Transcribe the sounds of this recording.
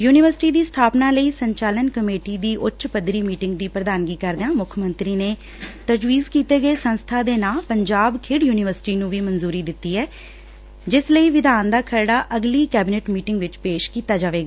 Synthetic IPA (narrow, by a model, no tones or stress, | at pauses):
juːnɪʋəɾsɪ̥ʈiːd̪iːst̪ʰaːpnaːləiːsəɲt͡ʃaːlənkəmeːʈiːd̪iːʔʊtːʃpəd̪ɾiːmiːʈɪ̃ŋɡd̪iːpɾəd̪aːnɡiːkəɾd̪eãːmʊkʰmə̃nt̪ɾiːneː | t̪əd͡ʒʋiːzkiːt̪eːɡəeːsə̃nst̪ʰaːd̪eːnaːpəɲd͡ʒaːbkʰɪɽjuːnɪʋəɾsɪ̥ʈiːnũːʋiːmənzuːɾiːd̪ɪt̪ːiːɛː | d͡ʒɪsləiːʋɪd̪aːnd̪aːkʰəɾɽaːʔəɡliːkɛːbɪneːʈmiːʈɪ̃ŋɡʋɪt͡ʃpeːʃkiːt̪aːd͡ʒaːʋeːɡaː